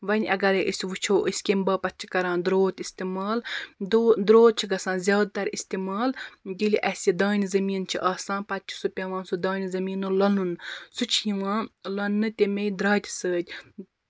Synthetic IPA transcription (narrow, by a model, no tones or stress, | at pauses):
ʋɐnʲʔɐ̰ɡɐɾeʔɨsʲʋut͡ʃʰoːʔəsʲkʲimbɐːpɐt̪t͡ʃʰi̥kɐɾãːnd̪ɾoːt̪ist̪imaːld̪od̪ɾoːt̪̚t͡ʃʰiɡɐsãːnzʲjaːd̪̚t̪ɐɾist̪imaːld̪ʲilʲiʔɐsʲid̪aːnʲzɐmiːnt͡ʃʰiʔaːsãːnpɐt̪̚t͡ʃʰi̥supʲɐʋãːnsud̪aːnʲizɐmiːnulɐnunsut͡ʃʰiʋãːlɐnːɨt̪ʲemejd̪ɾaːt̪ʲsəːd̪ʲ